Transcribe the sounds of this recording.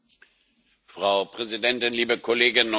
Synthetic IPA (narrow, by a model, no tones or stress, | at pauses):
fʁ̥aʊpʁ̥ɛzidɛntɪnliːbəkʰɔleːɡɪnːʊ